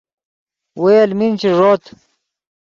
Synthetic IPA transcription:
wejɐlmint͡ɕʰiʐoːt̪ʰ

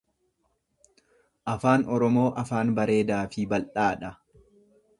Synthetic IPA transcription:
ʔɐfaːnɔɾɔmo̞ːʔɐfaːnbɐɾe̞ːd̪aːfɪbɐlʔaːᶑɐ

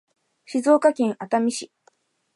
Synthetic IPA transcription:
ɕizo̞ːkakẽɰ̃at̪amʲiɕi

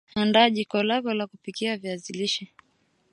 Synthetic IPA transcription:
andaːʄikɔlavɔlakupikiaviaziliʃi

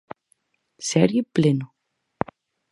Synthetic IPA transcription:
sɛɾjɪplɪnʊ

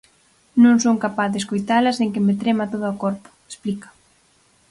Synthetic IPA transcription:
nõŋsoŋkapaθðeskojt̪alɐsnẽŋkɪmet̪ɾemat̪oðaokɔɾpʊ̥e̥splikɐ̥

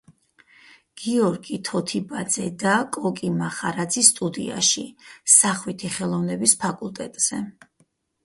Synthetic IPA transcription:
ɡ̥iɔɾɡit̪ʰɔt̪ʰibad̪zɛd̪akʼɔkʼimaχaɾad̪zist̪ʼud̪ḭa̰ʃisaχwit̪ʰiχɛlˠɔvnɛbispʰakʼulˠt̪ʼɛt̪ʼz̥ɛ

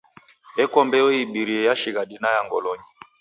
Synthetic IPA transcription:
ɛkɔmbɛoibiɾiɛjaʃiɣadinajaŋɡɔ̰lɔɲi

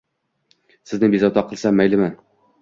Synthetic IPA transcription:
sɘ̆znɘbizɒt̪ɑqɤ̆lˠsɑmːæjlɘ̆mæn

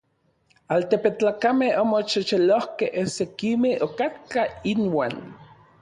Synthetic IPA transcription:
alt̪epet͡ɬaːkamehomot͡ʃit͡ʃelohkehesekimehokat̪̚kainwaːn

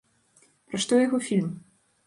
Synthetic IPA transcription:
pɾaʂt̪ɔjaɣɔfʲilʲm

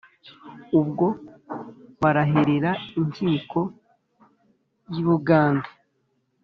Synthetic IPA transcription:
ubɡo̞ | βaɾaɦe̞ɾeɾaiɲt͡ʃiːko̞ | jiβuɡaːnde

